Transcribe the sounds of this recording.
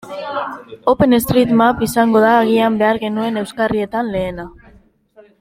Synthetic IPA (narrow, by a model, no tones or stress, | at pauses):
o̞pe̞ne̞st̪ɾit̪mapisaŋɡo̞ðaːɣ̞iambe̞aɾɣe̞nue̞ne̞wskarie̞t̪anle̞ːna